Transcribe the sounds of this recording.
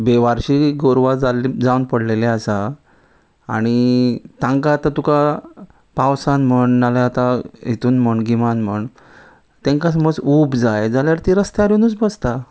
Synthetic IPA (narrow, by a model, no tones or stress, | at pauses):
beʋaɾɕiːɡoɾʋad͡zalid͡zaunpəɽleleasaː | ɽ̃it̪ãŋkaːt̪ãt̪uka | pawsanm̤əɳnalaːt̪aɦet̪uːnm̤əɳɡimanm̤əɳ | t̪ẽŋkas̬əməd͡zubd͡zajd͡zaljaɾt̪iɾəst̪eaɾinut͡sbəst̪a